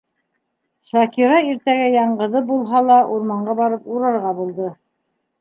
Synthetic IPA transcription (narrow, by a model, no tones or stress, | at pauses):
ʃɑkiɾɑiɾt̪æɡæjɑɴɢɤ̆ðɤp̚bulˠɦɑlˠɑʔuɾmɑɴɢɑβɑɾɤpuɾɑɾʁɑbulˠd̪ɤ